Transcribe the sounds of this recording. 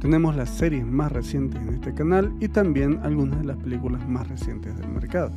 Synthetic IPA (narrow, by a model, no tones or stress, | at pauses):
t̪enemoslasːeɾjesmasresjent̪esenest̪ekanalit̪ambjena̰lɣunazðelaspelikulasmasresjent̪ezðḛlmeɾkaðo